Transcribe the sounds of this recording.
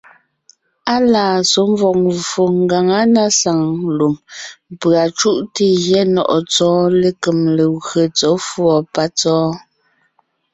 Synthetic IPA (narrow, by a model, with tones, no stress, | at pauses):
a˦laː˨so˨˦m˦vɔ˨k̚o˨ŋɡa˨ŋa˦na˦sa˨ŋlu˨mpɰa˨t͡ʃu˦ʔte˦ɣjɛ˦nɔ̰˨ʔɔ˨t͡sɔː˦le˨ke˨mle˨ɣɰə˨t͡sɔ˨˦fwɔ˨pa˦t͡sɔː˦